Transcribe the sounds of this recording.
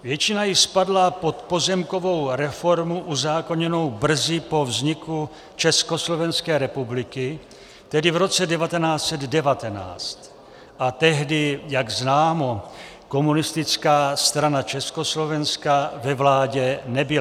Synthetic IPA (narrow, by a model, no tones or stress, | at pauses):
vjɛt͡ʃɪnajɪspadlapo̞t̪po̞zɛmko̞vo̞wɾɛfo̞ɾmuʔuzaːkoɲɛno̞wbr̩zɪpo̞vzɲɪku | t͡ʃɛskoslo̞vɛnskɛːɾɛpublɪkɪ | t̪ɛdɪvɾo̞t͡sɛdɛvat̪ɛnaːt͡sɛd̪dɛvat̪ɛna̰ːt͡st̪ | ʔat̪ɛɦdɪjaɡznaːmo | ko̞munɪst̪ɪt͡skaːst̪ɾanat͡ʃɛskoslo̞vɛnskavɛvlaːɟɛnɛbɪl